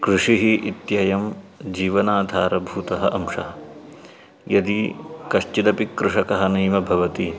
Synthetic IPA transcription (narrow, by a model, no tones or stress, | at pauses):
kɾuʂiɦiʔit̪jɐjɐmd͡ʒiːʋɐnaːd̪ʱaːɾɐbʱuːt̪ɐɦɐʔɐmʂɐɦɐ | jɐd̪ikɐʃt͡ʃid̪ɐpikːɾuʂɐkɐɦɐniːmɐbʱɐʋɐt̪i